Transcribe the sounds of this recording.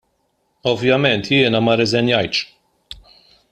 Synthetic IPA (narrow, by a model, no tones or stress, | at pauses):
ɔvjɐmɛnt̪jɪːnɐmɐɾɛzɛnjɐjt̪ʃ